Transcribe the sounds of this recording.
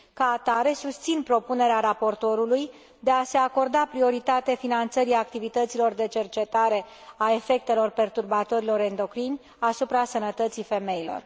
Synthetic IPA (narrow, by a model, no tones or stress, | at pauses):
kaːt̪aɾe̞sust̪sinpɾo̞pune̞ɾeaɾapo̞rt̪o̞ɾuluj | d̪e̞ase̞ako̞rd̪apɾio̞ɾit̪at̪efinant̪səɾiak̚t̪ivit̪ət̪silo̞rd̪e̞t͡ʃe̞rt͡ʃe̞t̪aɾe̞ | ae̞fe̞k̚t̪e̞lo̞rpe̞rt̪urbat̪o̞ɾilo̞ɾend̪o̞kɾinʲ | asupɾasənət̪ət̪sife̞me̞jilo̞̰r